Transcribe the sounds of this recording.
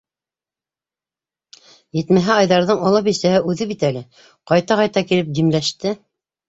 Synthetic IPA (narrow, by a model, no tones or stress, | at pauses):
jɘ̆t̪mæɦæɑjðɑɾðɤɴɑlˠɤp̬isæhɘʉðɘβit̪ælɘ | qɑjt̪ɑʁɑjt̪ɑkilɘp̚d̪imlæʃt̪ɘ